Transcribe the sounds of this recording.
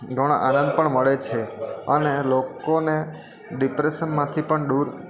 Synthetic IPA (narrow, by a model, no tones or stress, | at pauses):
ɡʱəɽ̃aʔanə̃nd̪̚pəɳməɭet͡ʃʰeənelokone | ɖipɾeʃənmãt̪ʰipəɳɖuɾ